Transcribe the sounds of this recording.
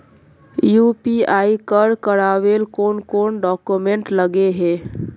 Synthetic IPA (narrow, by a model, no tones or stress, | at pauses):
jupiaikəɾkəɾabelkonkonɖɔkumeɳʈləɡeɦe